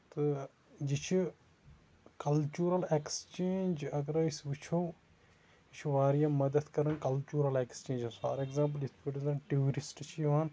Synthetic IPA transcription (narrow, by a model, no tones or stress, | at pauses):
t̪ɨ | d͡ʒit͡ʃʰu | kɐlt͡ʃuːɾɐlekst͡ʃeːnd͡ʒɐɡɐɾisʋit͡ʃʰoː | it͡ʃʰuʋaːɾjãːmɐd̪əd̪kɐɾɐnkɐlt͡ʃuːɾɐlekst͡ʃẽːnd͡ʒasa̰ːɾeɡzãːmp̬əlit̪ʰpiʈɐzɐnʈiɾisʈt͡ʃʰiaːn